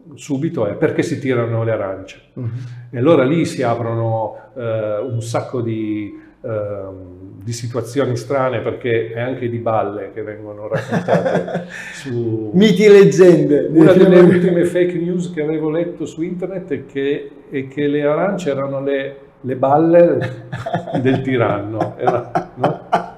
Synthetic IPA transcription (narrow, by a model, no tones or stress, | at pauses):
suːbit̪oɛperkesit̪iːɾanoleaɾa̰nt͡ʃe̥ealːoːɾalisiaːpɾono | unsakːod̪i | d̪isit̪uat̪sːjoːnist̪ɾaːneperkeɛaŋk̟ed̪ibalːek̟evːɛŋɡonorakːot̪aːt̪sumit̪iled͡ʒːɛnd̪eunad̪elːeult̪ːimefejknjuːzkeaveːvolɛt̪ːosuint̪ernet̪ːɛkʰːe | ɛkʰːeleaɾant͡ʃeɛːɾanole | lebalːe | d̪elt̪iɾanːoɛɾanɔ